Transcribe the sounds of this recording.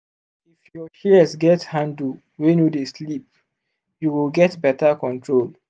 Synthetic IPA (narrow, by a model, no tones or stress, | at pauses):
ifjɔt͡ʃiəsɡɛthãndl | wɛ̃njudeslip̚ | juwilɡɛtbɛtəkɔ̃ntʰɹol